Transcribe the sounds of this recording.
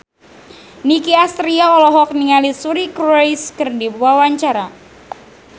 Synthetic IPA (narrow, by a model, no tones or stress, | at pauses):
nikiast̪ɾiaɔlɔɦɔk̚niŋalisuɾikɾɔjskɨrdiwawaɲt͡ʃaɾa